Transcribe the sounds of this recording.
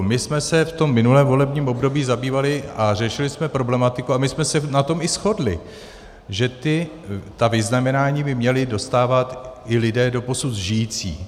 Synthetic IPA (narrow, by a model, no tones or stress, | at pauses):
mɪsmɛsɛft̪o̞mːɪnulɛːmvo̞lɛbɲiːmʔo̞bdo̞biːzabiːvalɪar̝ɛʃɪlɪsmɛpɾo̞blɛmat̪ɪkuamɪsmɛsɛnat̪o̞mɪsxo̞dlɪ̰ | ʒɛt̪ɪ | t̪avɪznamɛnaːɲiːbɪmɲɛlɪdo̞st̪aːvat̪ɪlɪdɛːdo̞po̞sut̪ʒɪjiːt͡sḭː